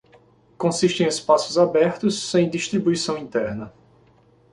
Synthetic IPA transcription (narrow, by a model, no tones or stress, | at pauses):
kõsiʃt̪ẽj̃espasʊzabɛɾt̪ʊsːẽj̃d̪iʃt̪ɾibuisɐ̃w̃ĩt̪ɛɾnɐ